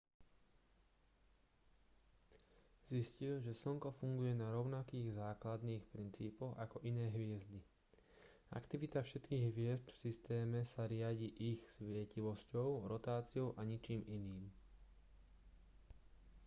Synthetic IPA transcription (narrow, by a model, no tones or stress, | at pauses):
ziscilʒɛsl̩ŋkɔfuŋɡujɛnaɾɔʊnakiːɣzaːklad̪niːxpɾint͡siːpɔɣakɔʔinɛːɦʋɪɛzd̪i | a̰kt̪iʋit̪afʃɛt̪kiːɣɦʋɪɛzd̪fsist̪ɛːmɛsaɾɪaɟiːʔixsʋɪɛciʋɔscɔʊɾɔt̪aːt͡siɔʊʔaɲit͡ʃiːminiːm